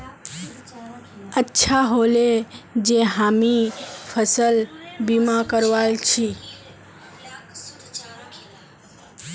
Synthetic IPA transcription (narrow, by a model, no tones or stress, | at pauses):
ətːʃʰaɦoled͡ʒeɦamipʰəsəlbimakəɾʋalt͡ʃʰi